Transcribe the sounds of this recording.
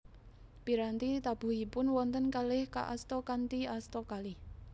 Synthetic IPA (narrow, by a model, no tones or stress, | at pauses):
piɾant̪it̪ab̥ṳhipʊnwɔnt̪ənkalɪhka̰ʔa̰st̪ɔkant̪iast̪ɔkalih